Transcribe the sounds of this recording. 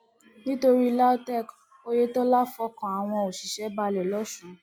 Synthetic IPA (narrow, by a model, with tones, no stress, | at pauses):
nĩ˦to˧ɾi˦la˦tɛ˦˨k | o˦je˦tɔ˦la˦fɔ˧˦kã˨a˨w̃ɔ̃˧o˨ʃi˨ʃɛ˨˦ba˧lɛ˨lɔ˨˦ʃũ˨˦